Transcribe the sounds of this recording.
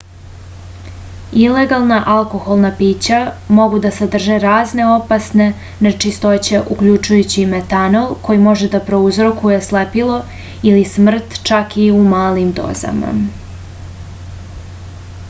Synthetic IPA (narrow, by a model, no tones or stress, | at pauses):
ile̞ɡalˠnaʔalko̞xo̞lˠnapiːt͡ɕamo̞ɡud̪ased̪r̩ʒeɾaːzne̞o̞pasne̞ | net͡ʃist̪o̞t͡ɕeʔukʎut͡ʃujut͡ɕimet̪anolˠko̞jimo̞ʒe̞d̪apɾo̞uzɾo̞kuje̞slepilo̞ | ilismr̩t̪t͡ʃakiumaːlimd̪o̞̰za̰ma̰